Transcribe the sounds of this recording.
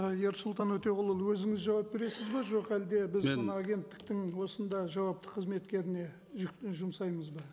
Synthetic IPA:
je̞ɾsʊlˠt̪ɑnwɵt̪e̞ʁʊlˠəlˠwɵzɪŋɪzʒɑwɑp̚be̞ɾe̞sɪzbɑʒo̞qæld̪e̞bɪzənɑːɡʲe̞nt̪ːɪ̥k̚t̪ɪŋwo̞sənd̪ɑʒɑwɑpt̪ə̥qʰəzme̞t̪kʲe̞ɾɪne̞ | ʒk̪ʒʊmsɑjməzbɑ

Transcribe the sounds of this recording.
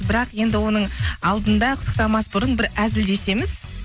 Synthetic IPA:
bɪɾɑqje̞nd̪ɪwo̞nəɴɑlˠd̪ənd̪ɑqʰʊ̥t̪ʰːəqt̪ɑmɑsbʊɾənbɪɾæzɪld̪e̞se̞mɪz̥

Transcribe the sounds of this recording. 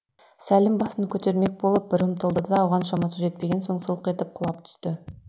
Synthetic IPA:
sælɪmbɑsənkʲʰɵt̪e̞ɾme̞k̚bo̞lˠəp̚bɪɾəmt̪əlˠd̪əd̪ɑːwʁɑnʃɑmɑsəʒe̞t̪̚pe̞ɡʲe̞nso̞ɴsəlˠəqe̞t̪ɪp̚qʰʊlˠɑpt̪ʰʏ̥st̪ɪ

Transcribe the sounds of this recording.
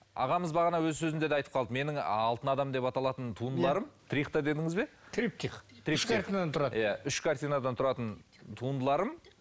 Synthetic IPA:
ɑ̰ʁɑməzbɑʁɑnɑwɵzsɵzɪmnd̪e̞d̪eɑjt̪əpqʰɑlˠd̪əme̞nɪŋɑlˠt̪ənɑd̪ɑmd̪e̞pɑt̪ɑlˠɑt̪ənt̪ʰuənd̪əlˠɑɾəmt̪ʰɾiqt̪ɑd̪e̞d̪ɪŋɪzbe̞t̪ʰɾip̚t̪ʰiqt̪ʰɪɾiʃaɾt̪inad̪ɑnt̪ʊɾɑjaʏʃkʰaɾt̪ijnad̪ɑnt̪ʰʊɾɑt̪ən | t̪ʰuənd̪əlˠɑɾəm

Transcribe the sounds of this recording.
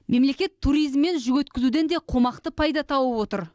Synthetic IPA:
me̞mle̞kʲe̞t̪ʰːuɾijzmːe̞nʒʏɡʲɵt̪kʲɪzud̪e̞nd̪e̞qʰo̞mɑqt̪əpʰɑjd̪ɑt̪ʰɑwəpwo̞t̪əɾ

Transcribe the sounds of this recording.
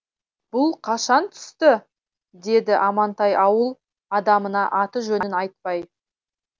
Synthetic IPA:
b̥ʊlˠqʰɑʃɑnt̪ʰʏ̥st̪ɪ | d̪e̞d̪ɪʔɑmɑnt̪ɑjʔɑwəlˠ | ɑd̪ɑmənɑʔɑt̪əʒɵnɪnɑjt̪̚pɑj

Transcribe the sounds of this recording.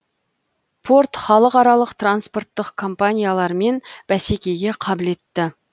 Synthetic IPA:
pʰo̞rt̪χɑlˠəqɑɾɑlˠəqt̪ranspo̞rt̪ːəqkʰo̞mpanʲijalˠɑɾme̞nb̥æsekʲe̞jɡʲe̞qʰɑbɪle̞t̪ːɪ

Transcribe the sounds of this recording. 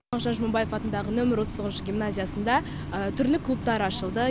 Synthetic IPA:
ɑqʒɑnʒəməmbɑje̞fɑt̪ənd̪ɑʁənɵmɪɾwosəsoʁənʃəɡʲimnazʲijasənd̪ɑ | ət̪ʰʏɾlɪkʰlˠup̚t̪ɑɾɑʃəlˠd̪ə

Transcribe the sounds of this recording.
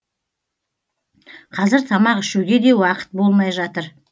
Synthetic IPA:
qʰɑzɪɾt̪ʰɑmɑqɪʃuwɡʲe̞d̪e̞wɑqə̥t̪̚bo̞lˠmɑjʒɑt̪əɾ

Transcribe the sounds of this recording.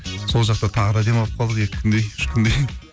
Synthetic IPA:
so̞lˠʒɑq̚t̪ɑt̪ʰɑʁəd̪ɑd̪e̞mɑlˠəp̚qʰɑlˠd̪əje̞kʲɪ̥kʰʲɪnd̪e̞jɪ̥ʃkʰʲɪnd̪ej

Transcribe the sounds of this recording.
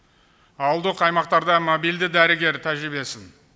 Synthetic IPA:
ɑwəlˠd̪əqɑjmɑq̚t̪ɑɾd̪ɑmobijld̪ɪd̪æɾɪɡʲe̞ɾt̪ʰæʒɾɪbe̞sɪn

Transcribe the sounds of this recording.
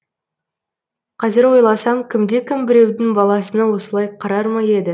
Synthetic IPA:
qʰɑzɪɾwo̞jlˠɑsɑmkʲʰɪmd̪e̞kʲʰɪmbɪɾe̞wd̪ɪŋbɑlˠɑsənəwo̞səlˠɑjqʰɑɾɑɾmɑje̞d̪ɪ

